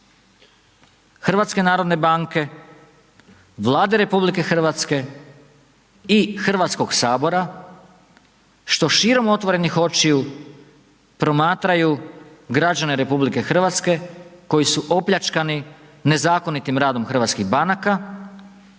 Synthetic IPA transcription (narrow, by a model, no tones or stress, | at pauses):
xr̩ʋat̪ske̞naːɾo̞d̪ne̞baŋke̞ | ʋlˠaːd̪e̞ɾe̞publike̞xr̩ʋat̪ske̞ | ixr̩ʋat̪sko̞ɡsaːbo̞ɾa | ʃt̪o̞ʃiːɾo̞mo̞t̪ʋo̞ɾe̞nixo̞t͡ʃiu | pɾo̞maːt̪ɾajuɡɾad͡ʑane̞ɾe̞publike̞xr̩ʋat̪ske̞ko̞jisuʔo̞pʎʲat͡ʃkanine̞zaːko̞nit̪imɾaːd̪o̞mxr̩ʋat̪skiɣbanaka